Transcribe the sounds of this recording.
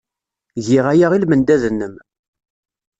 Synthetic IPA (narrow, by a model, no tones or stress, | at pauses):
ʝɪʁæjaʁilmənd̪æðənːəm